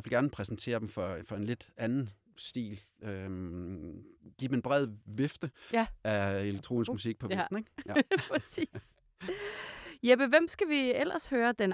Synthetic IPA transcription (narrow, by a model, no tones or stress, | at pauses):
ʋelɡæɐnəpʰʁɛsn̩t͡sʰe̝̰ːɐd̥m̩fɒfɒ̽e̝nle̝d̥ænn̩ | sd̥ḭːl | ø | ɡ̥ḭːbm̩enb̥ʁɛð̰ˠʋe̝fd̥əʔæeleɡ̥̚t͡sʰʁo̰ːnsɡmusiɡ̥̚pʰɒ̽ʋe̥n̩eɡ̥pʰɛsiːs | jeb̥əʋem̰sɡ̥æʋiel̰ɐshøːɐd̥en